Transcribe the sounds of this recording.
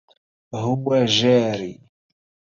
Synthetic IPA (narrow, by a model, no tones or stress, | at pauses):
ɦʊwaʒaːɾi